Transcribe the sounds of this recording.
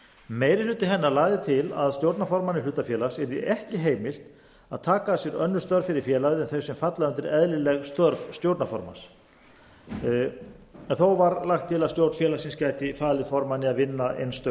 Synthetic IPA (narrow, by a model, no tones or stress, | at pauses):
meːjɾɪlʏːt̪ɪɦɛnːalaːɣðɪt̪ʰɪla̰ðst̪jowɾt̪nafɔɾmanɪlʏːt̪afjɛːlasɛɾðḭʔɛhcɪɦeːjmɪl̥t̪ | aðt̪ʰaːkasjɛɾœnːʏst̪œɾvfɪɾɪɾ̥fjɛːlaðɪɛnθœɥsɛmfat̪laðʏnt̪ɪɾɛðlɪlɛɣst̪œɾvst̪jowɾt̪nafɔ̰ɾma̰s | ɛnθowvaɾlaxt̪ʰːɪlaðst̪jowɾt̪n̥fjɛːlasɪnscaːjt̪ɪfaːlɪðfɔɾmanɪaðvɪnːaḛjnst̪œ